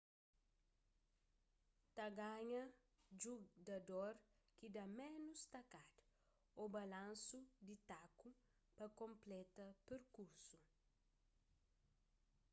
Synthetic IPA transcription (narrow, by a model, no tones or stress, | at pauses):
t̪ɐɡaɲɐ | d͡ʒuɡɐd̪oɾ | kid̪amẽnust̪ɐkad̪ | obɐlãnsud̪it̪aku | pɐkõmplɛt̪ɐpeɾkuɾsu